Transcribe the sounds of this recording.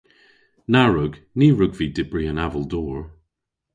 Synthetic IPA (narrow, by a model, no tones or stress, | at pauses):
naɹʊɡ | niːɹʊɡvidɪbɹiənavəlˠdɔːɹ